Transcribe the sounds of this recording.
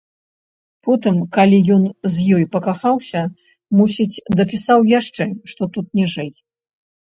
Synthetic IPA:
pɔt̪ɨmkalʲijɔnzʲjɔjpɐkaxawsʲɐ | musʲit͡sʲd̪ɐpʲisawjaʂt͡ʂɛʂt̪ɔt̪ut̪̚nʲiʐɛj

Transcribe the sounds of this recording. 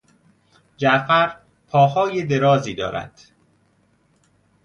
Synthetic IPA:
d͡ʒæfæɾ | pʰɒːhɒːjed̪e̞ɾɒːziːd̪ɒ̰ːɾæ̰d̪̥

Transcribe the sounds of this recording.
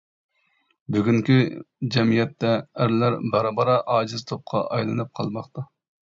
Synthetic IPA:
byɡʲyŋkʲyd͡ʒɛmijɛt̪ːɛːɾlæɾbɑɾɑbɑɾɑʔɑːd͡ʒɨzt̪ʰop̚qʰɑ̰ʔɑjlˠɨnɨp̚qʰɑlˠmɑχt̪ɑ

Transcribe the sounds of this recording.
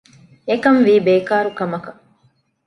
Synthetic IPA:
ekɐmʋiːbeːkaːɾukɐmɐkɐ

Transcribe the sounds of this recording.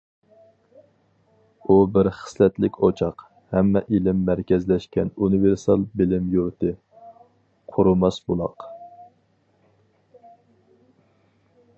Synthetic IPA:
ubɪɾχə̥slɛt̪lɪkʲʰot͡ʃʰɑq | hɛmːɛʔilɪmːæɾkʲɛzlɛʃkʲɛnunɨveɾsɑlˠbɪlɪmjuɾt̪ʰɨ | qʰʊɾumɑsbulˠɑ̰q

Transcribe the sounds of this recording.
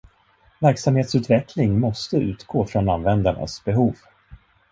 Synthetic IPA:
væɾksamheːt̪sʉ̟t̪vɛkʰlɪŋmɔst̪əʉ̟̰ːt̪ɡ̥oːfɾɔnanvɛnd̪aɳa̰sbɛɦuːv

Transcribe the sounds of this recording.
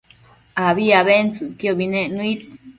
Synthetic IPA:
aβiaβent͡sɨkjoβinẽʔnũit̪̚

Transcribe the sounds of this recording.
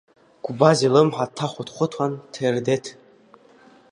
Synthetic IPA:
ɡ̥ʷbazilɨmħatʰaχʷʊtʰχʷʊtʰantʰerdetʰ

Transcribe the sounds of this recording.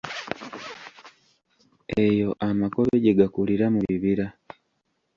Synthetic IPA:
ejo̞ʔamakoβe̞ɟeɡakuliɾamuβiβiɾa

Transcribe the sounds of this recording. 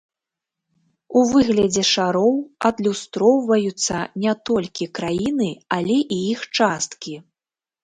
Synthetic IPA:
uvɨɣlʲɐd͡zʲɛʂaɾɔwɐd̪lʲust̪ɾɔwvɐjut̪sːɐnʲɛt̪ɔlʲkʲikɾajinɨalʲɛʔiixt͡ʂast̪kʲi

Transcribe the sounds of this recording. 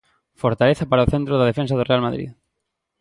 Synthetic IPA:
foɾt̪aleθɐpaɾaoθent̪ɾoðaðefẽnsaðorealmaðɾḭð

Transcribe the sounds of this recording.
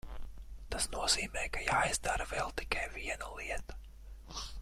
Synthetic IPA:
t̪asnuɔziːmɛːkajaːjzd̪aɾavɛlˠt̪i̥kajviɛnalˠiɛt̪ḁ

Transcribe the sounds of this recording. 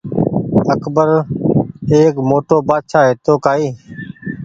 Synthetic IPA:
əkbəɾ | eːkmoːʈoːpaːd̪ʃaːɦeːt̪oːkaːiː

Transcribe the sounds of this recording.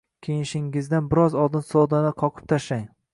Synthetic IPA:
kʲʰejɪʃɪŋɪzd̪anbɪɾɒzɒlˠd̪ɪnsɒd̪anɪqʰɒqʰɨ̥p̚t̪ʰaʃlaŋ

